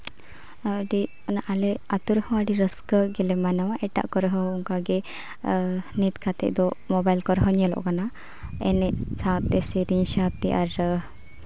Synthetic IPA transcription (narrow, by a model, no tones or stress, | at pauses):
ɖi | naʔalɛat̪uɾəhɔ̃aɖiɾəskəɡɛlɛmanawaʔɛʈa̰ʔkɔɾəɦɔ̃uŋkaɡɛ | nit̪kʰat̪ɛ̰ʔd̪ɔmɔbajlkɔɾɦɔɲɛlɔ̰ʔkana | ɛnɛʔsãwt̪ɛsɛɾiɲʃat̪iʔaɾ